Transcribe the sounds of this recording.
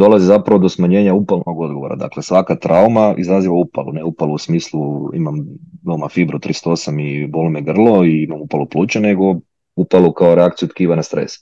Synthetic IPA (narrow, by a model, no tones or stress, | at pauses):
d̪o̞lˠazizapɾaʋo̞d̪o̞smaɲe̞ːɲaupalˠnʔoɡo̞d̪ɡoʋo̞ɾa̰d̪a̰klesʋakat̪ɾʔaumaizɾaziʋaupalṵneupalˠuusmiːslˠuḭmamʋeomafibɾut̪ɾist̪oo̞samibolˠmeɡr̩lˠo̞iimamupalˠuplˠuːt͡ʃane̞ɡo̞ | upalukaoɾeakt̪ijut̪kiːʋanast̪ɾḛs